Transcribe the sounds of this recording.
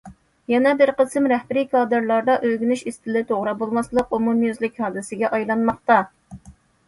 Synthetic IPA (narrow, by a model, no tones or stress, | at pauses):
jɛnɛbɪɾqəsmɾɛhbɪɾikʰɑːd̪ɨɾlˠɑɾd̪ɑʔøɡʲynyʃist̪ɪlɪt̪ʰoʁɾɑbolˠmɑslˠəqumumjyzlɪkʲhɑːd̪ɪsɪɡʲɛʔɑjlˠɑnmɑχt̪ɑ